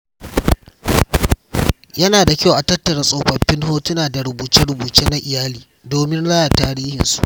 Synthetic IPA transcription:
jɐ˦naː˨da˨kʲa˦wʔa˨tɐ˦tːɐ˨ɽa˦sʼa˨ɸɐ˨ɸːɪ˦nɦoː˦tʊ˦naː˨da˨ɾʊ˨buː˨t͡ʃɪ˦ɾʊ˨buː˨t͡ʃeː˦na˦ʔɪ˨jaː˦liː˨ | doː˨mɪ˦nla˦jaː˨taː˦ɾiː˦hɪ̰˨nsu̥̰˦ʔ

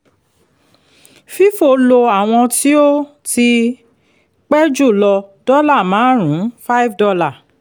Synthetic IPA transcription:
fi˦fo˧˨lo˧a˨w̃ɔ̃˧ti˦o˦ | ti˧ | k͡pɛ˦d͡ʒu˦˨lɔ˧d̥ɔ˦la˦˨mãː˨˦ɾ̃ũ˨˦fa˦i˦fdɔ˧la˦˨

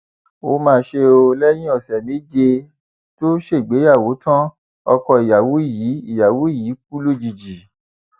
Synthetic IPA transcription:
o˨˦mãː˧ʃe˧o˧lɛ˦j̃ĩ˦ɔ˦˨sɛ˨mĩ˨˦d͡ʒe˧ | to˦ʃe˦˨ɡ͡be˨˦ja˦˨wo˨˦tã˦ | ɔ˧kɔ˧i˨ja˨wo˨˦˨ji˨˦i˦˨ja˨wu˨˦i˦˨jiː˨˦k̚u˦lo˦˨d͡ʒi˨d͡ʒi˨

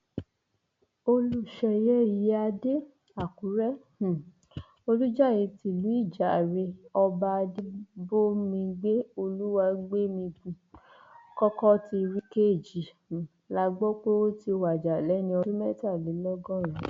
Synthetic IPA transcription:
o˧lu˦ʃɛ˧jɛ˦ji˧˦a˧de˦ | a˦˨ku˨˦ɾɛ̃˦˨ | o˧lu˦d͡ʒa˦˨jĩ˧ti˧˨lu˨˦i˦˨d͡ʒa˨ɾe˧ɔ˧ba˧de˦bo˦mĩ˧ɡ͡be˦o˧lu˦wa˧ɡ͡be˦mĩ˧ɡ͡bũ˧ | kɔ˦kɔ˦ti˧ɾi˦ke˦˨d͡ʒi˨ | la˧˦ɡ͡bo˦k͡po˦o˦ti˧wa˨d͡ʒa˨lɛ˨˦nĩ˧ɔ˧i˦mɛ˦˨ta˦˨li˨˦lɔ˦ɡɔ̃˦˨ɾ̃ĩ˨˦

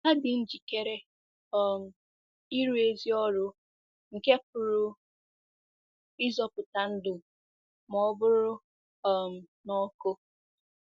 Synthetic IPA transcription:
a˦dɪ˨n̩˦d͡ʒi˨ke˦ɾe˦ | ɔ˨m̩˨ | i˦ɾu˦e˦zi˦ɔ˦ɾʊ˦ | ŋ̩˨ke˦p̚ʊ˨ɾʊ˦ | i˦zɔ˦pʊ˨ta˨n̩˦dʊ˨ | mɔ˦bʊ˦ɾʊ˦ | ɔ˨m̩˨nɔ˦kʊ˦

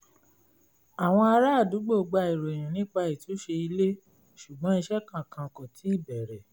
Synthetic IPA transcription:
a˨w̃ɔ̃˧a˧ɾa˦a˦˨du˨˦ɡ͡bo˦˨ɡ͡ba˧i˨ɾo˨e˨j̃ã˨nĩ˨˦k͡pa˧i˨tʰo˨˦ʃe˧i˧le˦ | ʃu˨ɡ͡bɔ̃˨˦i˧ʃɛ˦kã˦˨kã˧˨kɔ̃˨tʰi˨˦i˦˨bɛ˨ɾɛ˨

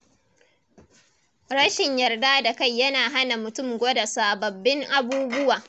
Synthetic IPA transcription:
ɾɐ˦ʃɪ˨ɲjɐ˨rda˦da˨ka˦˨jːɐ˦naː˨ɦa˦na˨mʊ˨tʊ˦˨mɡʷo˦da˨saː˨bɐ˨bːɪ˦ŋʔa˦buː˦bʊ˦waː˨

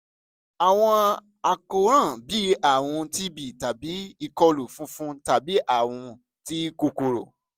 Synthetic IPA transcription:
a˨w̃ɔ̃˧ | a˨ko˧ɾ̃ã˦˨bi˨˦a˦˨w̃ɔ̃˧ti˦bi˨ta˨bi˨˦i˧kɔ˧lu˨fũ˦fũ˦ta˨bi˨˦ʔa˦˨w̃ɔ̃˧ | ti˦ko˧ko˧ɾo̰˨

